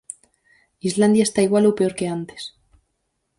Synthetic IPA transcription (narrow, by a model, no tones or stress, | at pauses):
izland̪jaest̪aiɣwalopeo̞ɾke̞ant̪e̥s